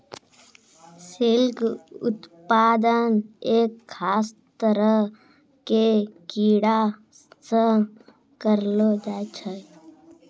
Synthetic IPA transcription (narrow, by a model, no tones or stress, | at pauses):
sɪlkʊ̰t̪paːd̪əneːkʰːaːst̪əɾə | kekiːɽa | sə̃ | kəɾlod͡ʒaːt͡ʃʰə